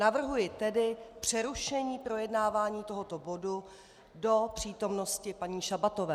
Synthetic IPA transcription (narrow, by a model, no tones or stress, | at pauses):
navr̩ɦujɪt̪ɛdɪpr̝̥ɛɾuʃɛɲiːpɾo̞jɛdnaːvaːɲiːt̪o̞ɦo̞t̪o̞bo̞du | do̞pr̝̥iːt̪o̞mno̞scɪpaɲiːʃabat̪o̞vɛː